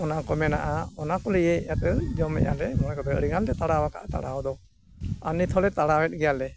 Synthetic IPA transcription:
ɔnakɔmɛnaʔaɔnakɔlɛjɛjat̪ɛd͡ʒɔmɛ̰ʔjalɛmɔnakɔbɛəɾiɡand̪ɛt̪aɽawakʰa̰ʔat̪a̰ɽaɔd̪ɔ | a̰nit̪ʰɔlɛt̪aɽawɛt̪̚ˀɡɛjalɛ

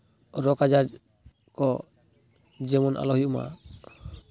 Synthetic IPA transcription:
ɾɔkad͡ʒaɾ | kɔ | d͡ʒɛmɔnʔa̰lɔɦiʔuma̰

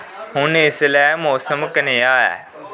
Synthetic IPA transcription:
hʊnɪslɛːmoːsəmkəneaːɛ̰ː

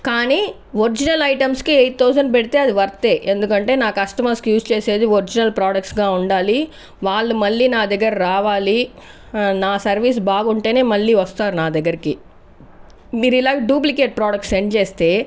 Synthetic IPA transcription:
kaːni | ʋoɾd͡ʒinɐlɐjʈɐmskeej̪t̪ːɐws̬ɐnbeɽt̪eɐd̪uʋɐɾt̪ːeːʔend̪ukɐɳʈenaːkɐʂʈɐmɐskjuːst͡ʃeːseːd̪uoɾd͡ʒinɐlpɾaːɽɐk̚ʈsɡaːuɳɖaːli | ʋaːlːumɐlːinaːd̪ɛɡɐɾɾaːʋaːli | naːsɐɾʋiːs̬baːɡuɳʈeːneːmɐlːiʋɐst̪aːɾnaːd̪ɛɡɐɾkːe | miɾilːaːɡɐɖjuːp̬likeːʈ̚pɾaːɖɐk̚ʈseɳɖd͡ʒeːst̪eː

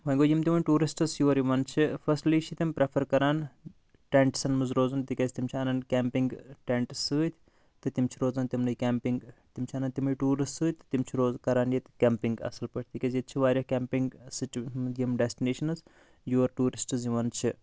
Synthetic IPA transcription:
ʋɐnɡoːjimt̪imɐnʲʈuːɾisʈɨsjuʋɐɾjiʋɐnt͡ʃʰifʰɐsʈliːt͡ʃʰit̪impɾepʰɐɾkɐɾaːn | ʈeɳʈsɐnmɨzɾoːzɐnt̪ikʲɐzt̪imt͡ʃʰiɐnɐnkʲempiŋɡʈeɳʈsɨːt̪ʲʰ | t̪ɨt̪imt͡ʃʰiɾoːzɐnt̪imnɨjkʲempiŋɡt̪imt͡ʃʰiɐnɐnt̪imɐjʈuːɾissɨːt̪ɨ̥t̪imt͡ʃʰiɾoːzkɐɾaːnjet̪kʲɛmpiŋɡɐ̰sɐlpɐʈʰʲt̪ikʲezjt̪̚t͡ʃʰiʋaːɾʲjɐhkʲempiŋɡsit͡ʃjimɖesʈineːʃɐnɨz | juʋɐɾʈuːɾisʈɨzjiʋɐnt͡ʃʰi

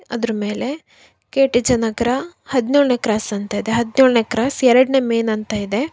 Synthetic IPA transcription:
ɐ̰d̪ɾɐme̞ːle̞ | keːʈid͡ʒɐnɐɡɐɾɐhɐd̪nuːɭnekɾaːsɐnt̪ɐid̪eɦɐd̪noɭnekɾaːsɛɾɐɽneːmeːnɐnt̪ɐid̪e̞

